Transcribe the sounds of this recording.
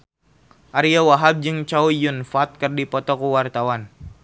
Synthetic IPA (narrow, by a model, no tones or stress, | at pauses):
ʔaɾiawaɦab̚d͡ʒɨŋt͡ʃaujunfat̪̚kɨrdipɔt̪ɔkuwart̪awan